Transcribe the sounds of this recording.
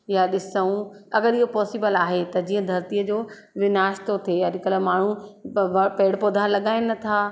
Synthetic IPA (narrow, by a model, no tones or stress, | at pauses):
jaɗɪsəũɐɡəɾiɦopɔːsiːbəlaːɦet̪ɐd͡ʑiːə̃d̪ʱɐɾt̪iːəd͡ʑoː | ʋɪnaːʃt̪ot̪ʰejaɾɪkəlaːmaːɳ̤ũʋɐpeːɽpoːd̪ʱaːlɐɠaːɪnɐt̪ʰaː